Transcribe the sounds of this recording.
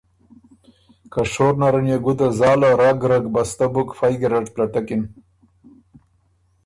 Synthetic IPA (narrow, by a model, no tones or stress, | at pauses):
kaʂoɾnaɾanjaɡud̪azɑːlaɾaɡɾaɡbast̪abukfajɡeɾaʈplaʈakin